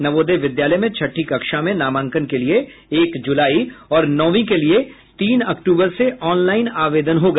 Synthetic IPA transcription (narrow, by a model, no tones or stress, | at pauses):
nɐʋoːd̪eʋɪd̪jaːləmẽt͡ʃʰɐʈʰːikɐkʃamẽnaːmãːŋkənkelie | eːkd͡ʒʊlaːiɔːɾnɔːʋĩkelie | t̪iːnɐkʈuːbəɾseʔɔːnlaːɪnaːʋeːd̪ənɦoɡɐ